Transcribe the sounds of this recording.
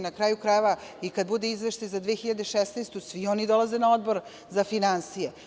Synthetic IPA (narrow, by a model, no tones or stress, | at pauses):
nakɾaːjukɾajeʋaikad̪̚bud̪eizʋeʃt̪ajzad̪ʋexiʎad̪eʃesnest̪usʋio̞nid̪o̞lˠaze̞nao̞d̪bo̞ɾ | zafinansije